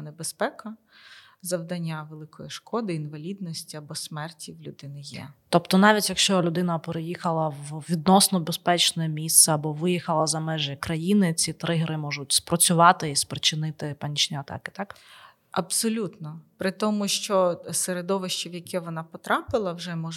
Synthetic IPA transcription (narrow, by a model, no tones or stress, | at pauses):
nebespɛkɐ | zɐwd̪ɐnʲːaʋelˠɪkʰɔjiʃkɔd̪ɪinʋɐlʲid̪nɔsʲtʲiɐbɔsmɛrtʲiwlʲʊd̪ɪnɪjɛ̰t̪ɔpt̪ɔnɑʋʲitʲjɐkʃt͡ʃɔlʲʊd̪ɪnɐpeɾejixɐlˠɐʋʋʲid̪̚nɔsnɔbespɛt͡ʃnɔjɛmʲist̪sɛɐbɔʋɪjixɐlˠɐzɐmɛʒekɾɐjinɪt͡sʲit̪ɾɪɦɾɪmɔʒʊtʲspɾɔt͡sʲʊʋɑt̪ɪispɾɪt͡ʃɪnɪt̪ɪpɐnʲit͡ʃnʲiɐt̪ɑ̰kɪ̥t̪ɑk | ɐbsɔlʲut̪nɔpɾɪt̪ɔmʊʃt͡ʃɔseɾed̪ɔʋɪʃt͡ʃiwjɐkʰɛʋɔnɑpɔt̪ɾɑpɪlˠɐwʒɛmɔ